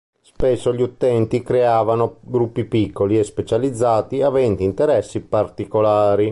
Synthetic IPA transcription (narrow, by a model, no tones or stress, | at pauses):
spɛsːoʎiut̪ɛnt̪ikɾeaːvanoɡɾupːipikːoliespet͡ʃalid̪zːaːt̪iavɛnd̪int̪eɾɛsːipart̪ikolaːɾi